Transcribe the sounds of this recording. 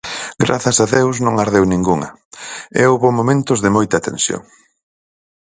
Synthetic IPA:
ɡɾa̰θɐsaðewsnõŋaɾðewnĩŋɡuŋɐ̰ | ɛ̰oβomomẽnt̪ʊzðɪmojt̪ɐt̪ḛnsjo̰ŋ

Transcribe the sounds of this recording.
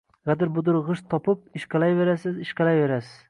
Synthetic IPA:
ʁad̪ɪɾbʊd̪ʊɾʁɨʃt̪ʰɒpɪp̚ɪʃqɑlajve̞ɾasɪzɪʃqɑlajve̞ɾasɪz̥

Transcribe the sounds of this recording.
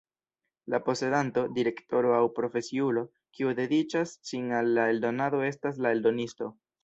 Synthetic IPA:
lapo̞se̞danto̞diɾe̞kto̞ɾo̞awpɾo̞fe̞siulo̞ | kiud̪e̞dit͡ʃasʃiŋalːae̞ldo̞nado̞e̞stas̬lae̞ldo̞nisto̞

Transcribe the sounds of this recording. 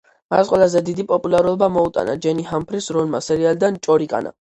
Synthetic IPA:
masqʼwɛlˠazɛd̪id̪ipʼɔpʼulaɾulˠɔbamɔut̪ʼa̰na̰d͡ʒɛnihampʰɾisɾɔnmasɛɾiald̪ant͡ʃʼɔɾikʼa̰na̰

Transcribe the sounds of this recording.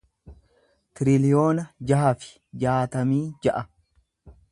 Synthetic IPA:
t̪ɪɾɪlɪjo̞ːnɐd͡ʒɐɦɐfɪ̥ | d͡ʒaːt̪ɐmiːd͡ʒɐʔɐ

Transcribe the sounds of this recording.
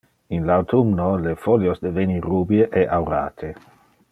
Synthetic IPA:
inlawt̪ʰumnolefɔljosd̪evenirːubjeʔɛʔawɾa̰ːt̪ʰe

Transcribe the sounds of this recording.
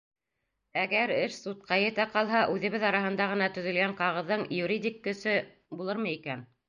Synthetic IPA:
æɡæɾɘʃsut̪̚qɑjɘ̆t̪æqɑlˠɦɑʔʉðɘ̆βɘðɑɾɑɦɤ̆nd̪ɑʁɤ̆nɑt̪ɵ̆ðɵ̆lɡæɴqɑʁɤ̆ðːɤɴjuɾʲidʲikːɵ̆sɵ | bulˠɤɾmɤikæn

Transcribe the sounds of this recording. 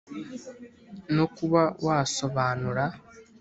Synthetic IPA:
nokuβawʔaːso̞βaːnuɾa

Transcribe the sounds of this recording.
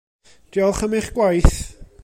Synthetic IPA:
d̥iɔlˠχəmɪχɡ̥wajθ

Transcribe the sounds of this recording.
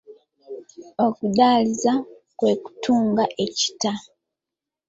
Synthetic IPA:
okudaːliza | kwe̞ːku̥tʰuːŋɡaʔe̞ci̥ta

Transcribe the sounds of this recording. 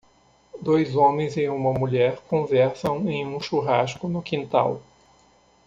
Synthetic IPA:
d̪ojzõmẽj̃zɪũmɐmuʎɛɾkõvɛɾsɐ̃w̃ẽj̃ũʃuɦaskʊnʊkĩnt̪a̰w

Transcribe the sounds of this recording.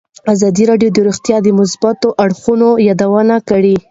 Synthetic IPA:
azɑd̪iɾɑɖjod̪əɾuxt̪jɑd̪əmʊs̬bat̪oʔaɽxunojɑd̪awənakaɽi

